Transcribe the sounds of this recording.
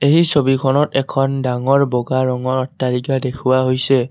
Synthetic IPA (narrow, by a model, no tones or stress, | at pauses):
eɦisobikʰɔnɔtɛkʰɔndaŋɔɹbɔɡaɹɔŋɔɹɔtːaliɡadekʰʊwaɦojsɛ